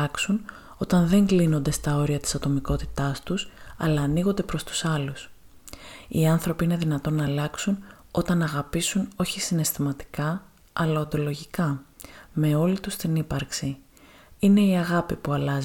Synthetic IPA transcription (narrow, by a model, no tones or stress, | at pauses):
ɐksun | o̞t̪ɐnðe̞ŋɡlino̞nd̪e̞st̪ɐo̞ɾiɐt̪i̥sɐt̪o̞miko̞t̪i̥t̪ɐst̪usɐ̰lɐːniɣond̪e̞pɾo̞st̪u̥sɐlus | iɐnθɾo̞piine̞ðinɐt̪o̞nɐːlɐksun | o̞t̪ɐnɐɣɐpisuno̞çisine̞st̪imɐt̪i̥kɐ | ɐlɐond̪o̞lo̞ʝikɐme̞o̞lit̪ust̪inipɐɾksi | ine̞iɐɣɐpipuɐlɐz